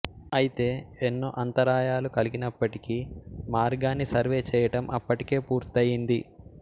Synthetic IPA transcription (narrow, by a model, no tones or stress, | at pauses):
ɐjit̪e̞ːenːoːʔɐnt̪ɐɾaːjaːlukɐliɡinɐpːɐʈikimaːɾɡaːnːisɐɾʋe̞ːt͡ʃɛːjɐʈɐmʔɐpːɐʈi̥ke̞ːpuːɾt̪ɐjind̪i